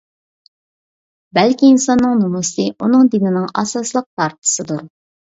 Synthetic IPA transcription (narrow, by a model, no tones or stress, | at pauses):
bælkʲiːnsɑnːɨŋnumusɨʔunɨŋd̪inɪnɪŋɑ̰sɑslˠəq̚t̪ʰɑɾt̪ʰɨ̥sɨd̪uɾ